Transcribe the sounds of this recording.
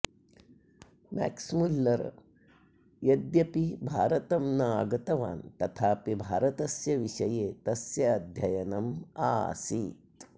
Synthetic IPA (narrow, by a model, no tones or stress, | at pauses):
mæ̰ːksmulːɐɾ̰ | jɐd̪jɐpibʱaːɾɐt̪ɐmnɐaːɡɐt̪ɐʋa̰ːnt̪ɐt̪ʰaːpibʱaːɾɐt̪ɐsjɐʋiʂɐjeːt̪ɐsjɐːd̪ʱjɐjɐnɐma̰ːsi